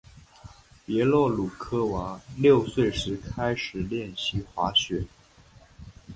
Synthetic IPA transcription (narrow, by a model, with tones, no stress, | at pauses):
pjɛ˧˥lwɔ˥˩lu˨˩kʰɤ˥wa˧˥ljo˥˧ʊswe˥˩ɪʂɻ̩˧˥kʰa˥ɪʂɻ̩˨˩ljɛ˥˩nɕi˧˥xwa˧˥ɕɥɛ˨˩˦